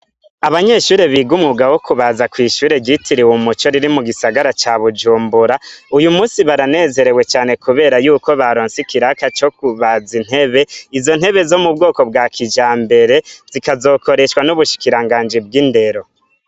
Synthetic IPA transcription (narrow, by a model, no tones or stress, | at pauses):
aβaɲe̞ʃuːɾeβiɡumŋuɡawo̞kuβazakwiːʃuːɾe̞ɟitʰiɾiwomut͡ʃo̞ɾiɾimuɡisaɡaɾat͡ʃaβud͡ʒuːmbuɾaujumuːsiβaɾane̞ːze̞ɾe̞we̞t͡ʃaːne̞kuβe̞ːɾajuːko̞βaɾoːnsikiɾakat͡ʃo̞kuβazin̥he̞βe̞izo̞n̥he̞βe̞zo̞mubɡo̞ːko̞bɡaːkʰid͡ʒaːmbe̞ɾe̞zikazo̞ːko̞ɾe̞ʃwanuβuʃi̥kiɾaŋɡaːnd͡ʒib̚ɡinde̞ɾo̞